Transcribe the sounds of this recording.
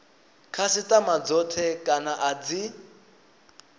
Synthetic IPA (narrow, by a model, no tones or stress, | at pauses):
kʰasitʼamad͡zɔtʰɛkʼanaʔad͡zi